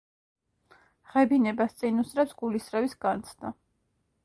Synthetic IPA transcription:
ʁɛbinɛbast̪sʼinusɾɛpsɡulisɾɛvisɡ̥ant̪sʰd̪a

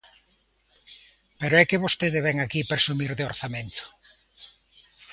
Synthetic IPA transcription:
peɾoɛkɪβost̪eðɪβɛŋakipɾesumiɾðeoɾθamẽnt̪ʊ̥

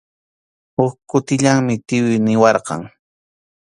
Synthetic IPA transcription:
hʊkkʊt̪ɪʎaŋmɪt̪ɪwɪjnɪwɑɾqɑ̰ŋ

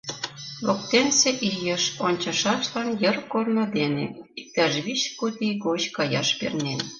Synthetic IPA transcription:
lok̚t̪enseʔijə̆ʃonʲt͡ɕɑ̆ʃɑʃlɑnjə̆rkornŏd̪enḛik̚t̪ɑʒβit͡ɕkut̪ʲijɡot͡ɕkɑjɑʃpḛrnen

